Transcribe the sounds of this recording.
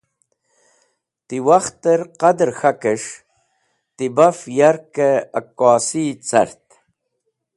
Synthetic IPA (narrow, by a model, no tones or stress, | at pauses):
t̪iwaxt̪əɾqɐd̪ɾxakəʂ | t̪ibafjaɾkeɐkaːsit͡sɐ̰ɾt̪